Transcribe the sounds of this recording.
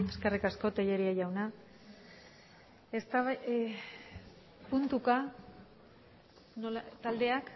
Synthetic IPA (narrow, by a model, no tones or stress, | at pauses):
eskerikasko̞t̪eʎe̞ɾiaʝawna | est̪aβ | punt̪uka | nolt̪ald̪e̞ak